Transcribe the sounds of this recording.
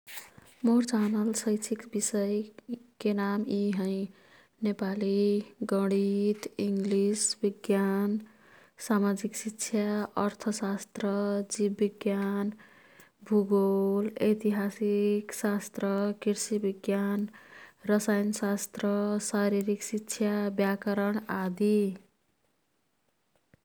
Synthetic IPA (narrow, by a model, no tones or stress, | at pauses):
moɾt͡sanʌlsʌjt͡ʃʰikbisʌjkenamiɦʌ̃i | nepaliɡʌɽit̪iŋɡlisbiɡjan | samad͡ʒiksitːt͡ʃʰjaʌɾt̪ʰəsast̪ɾʌd͡ʒibːiɡjan | bʱuɡolejt̪iɦasiksast̪rʌkiɾsibiɡjanrʌsajnsast̪rʌsaɾiɾiksitːsʰjabjakʌɾʌɳad̪i